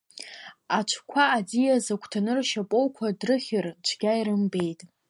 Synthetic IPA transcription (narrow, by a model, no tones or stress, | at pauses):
at͡ʃʷʰkʷʰaːd͡zijazakʷʰtʰanɨrʃapʼowkʷʰadrɨχʲɪrd͡ʒʷʰɡʲajiɾɨmbe̞jtʼ